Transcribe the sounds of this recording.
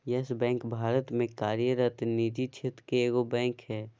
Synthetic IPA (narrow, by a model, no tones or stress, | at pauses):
jɛsbɛ̃ːŋkbʱaːɾət̪mẽkaːɾjəɾət̪niːd͡ʒit͡ʃʰet̪keːɡobɛ̃ːŋkɦɛː